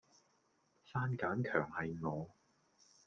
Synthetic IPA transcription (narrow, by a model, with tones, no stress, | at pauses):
saː˥nkaː˨˥nkʰœ̰ː˨˩ŋhɐ˨jŋɔː˨˧